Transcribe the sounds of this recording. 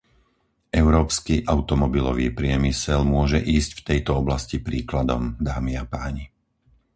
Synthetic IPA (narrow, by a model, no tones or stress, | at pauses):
ɛʊɾɔːpskiʔaʊt̪ɔmɔbilɔ̰ʋiːpɾɪɛmisɛlmʊɔʒɛʔiːscft̪ɛjt̪ɔɔblascipɾiːklad̪ɔ̰md̪aːmiapaːɲi